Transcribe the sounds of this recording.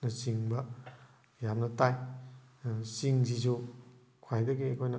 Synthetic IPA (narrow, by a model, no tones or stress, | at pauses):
nɐsiŋbɐ | jamnɐtaj | siŋzizu | kʰwajdɐɡiekʰojnɐ